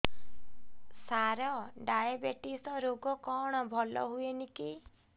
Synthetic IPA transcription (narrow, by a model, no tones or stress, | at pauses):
saɾɔɖajabeʈisɔɾoɡɔkɔɽ̃ɔbʱɔlɔ̰ɦueniki